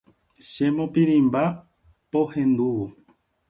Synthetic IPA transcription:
ʃemõpiɾĩmba | pohẽ̞nd̪uwo

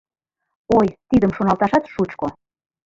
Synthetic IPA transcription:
ojt̪id̪əmʃonɑlt̪ɑʃɑt̪ʃut͡ɕko

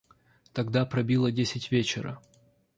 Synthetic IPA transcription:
t̪ɐɡd̪apɾɐbʲilˠədʲesʲɪtʲvʲet͡ɕɪɾə̰

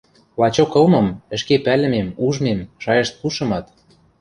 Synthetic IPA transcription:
lɑt͡ɕokɤ̆lmɤ̆mə̆ʃkepælɘ̆memuʒmemʃɑjɤ̆ʃt̪̚puʃɤ̆mɑt̪

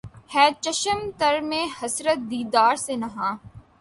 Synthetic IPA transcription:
hɛːt͡ʃəʃəmt̪əɾmẽːhɐsɾət̪̚d̪iːd̪aːɾsenɐɦãː

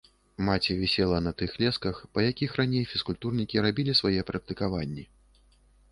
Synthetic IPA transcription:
mat͡sʲɛvʲɛsʲɛlˠɐnɐt̪ɨxlʲɛskɐxpɐjakʲixranʲejfʲiskulʲt̪urnʲikʲiɾabʲilʲisvajɛpɾɐk̚t̪ɨkavanʲːɛ

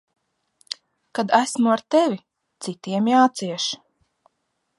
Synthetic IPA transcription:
kad̪æsmuaɾt̪ɛvʲi | t̪sit̪iɛmjaːt̪siɛʃ

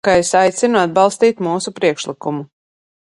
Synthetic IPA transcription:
kaesajt̪sinuad̪̚bɑlˠst̪iːt̪muːsupɾiɛkʃlˠikumu

